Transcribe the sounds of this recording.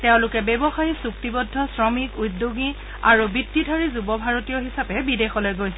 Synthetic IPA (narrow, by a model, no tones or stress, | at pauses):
tɛʊ̃lʊkɛbebɔxajisuk̚tibɔdʱːɔsɹɔmikudːoɡi | aɹubitːidʱaɹizubɔbʱaɹotijɔɦisapɛbidexɔlojɡojsɛ